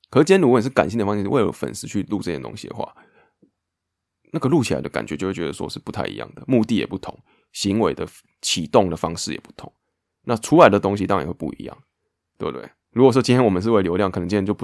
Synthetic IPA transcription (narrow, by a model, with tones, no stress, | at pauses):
kʰə˨˩˥t͡ɕi˥nʲ˥lu˨˦wə˨˩ʂɻ̩˥˩ka̰˨˩nɕi˥ŋd̪ə˩fɑ˥ŋɕi˥˧˥we˥˩ə̰˨˩fə̰˨˩nsɹ̩˥t͡ɕʰy˥˧lu˥˧˩ʈ͡ʂə˥˧t͡ɕʰɛ˥˩t̪o̰˥ŋɕḭ˨d̪ə̰˨xwa̰˥˩ | na˥˩ɡə˨lu˥˩t͡ɕʰi˨la̰˧˦ɪd̪ə˧ka̰˨˩t͡ɕɥɛ˧˦t͡ɕo˥˧we˥˩t͡ɕɥɛ˧d̪ə˧˩ʂɔ̰˦˥˧ʂɻ̩˥˧pu˧˥t̪ʰa˥˩ɪḭ˧˦jɑ̰˥˩ŋd̪ə˩mu˥˧t̪i˥˨jɛ̰˨˩pu˥˩t̪ʰʊ̰˧˦ŋ | ɕi˧˥ŋwe˧ɪd̪ə˨ | t͡ɕʰi˨˩t̪o˥˩ŋd̪ə˩fɑ˥ŋʂɻ̩˥˩jɛ̰˨˩pu̥˥˩t̪ʰʊ˨˧˦ŋ | na˥˨ʈ͡ʂʰu˦˥la˨˦ɪd̪ə˨t̪o˥ŋɕ̬i˧t̪ɑ̰˥˨we˥˧˩pṵ˥˨ḭ˧˦jɑ̰˥˨˩ŋ | t̪wḛ˥˧t̪wḛ˥˩ɪɻu˧˥kwɔ˨˩ɔ˥t͡ɕi˥nt̪ʰjɛ˥nwmə˨nʂ̬ɻ̩˥˧we˥˩ɪljo˧˥ʊljɑ˥˩ŋk̪ʰŋt͡ɕi˥t̪ʰjt͡ɕo˥˧˥